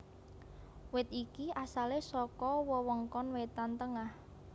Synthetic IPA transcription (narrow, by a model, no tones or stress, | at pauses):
wɪt̪̚ikiʔasalesɔkɔwɔwɔŋkɔnwet̪ant̪əŋah